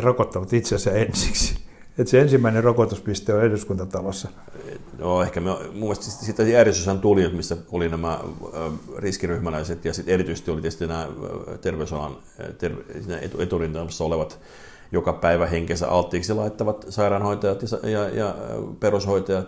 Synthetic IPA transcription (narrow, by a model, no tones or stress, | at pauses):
rokot̪ːɑʋɑt̪it̪sesæensi̥ksi̥ | et̪seensimːæinerokot̪uspist̪øːeruskunt̪ɑt̪ɑlɑsːɑ | noehkæmemumːest̪sit̪sit̪ːæjæːrjest̪ysænt̪uliot̪misːæolinæmæ | riskiryhmælæiset̪jɑsit̪erit̪yise̥st̪iolit̪est̪inæːt̪erʋeysɑlɑ̰n | t̪ersiːnæ̰ḛt̪uet̪urint̪ɑmsːɑoleʋɑt̪ | jokɑpæiʋæheŋkesæ̰ʔɑlt̪ːiːksilɑit̪ːɑʋɑt̪sɑirɑnhoit̪ɑjɑt̪jɑjɑjɑperoshoit̪ɑjɑt̪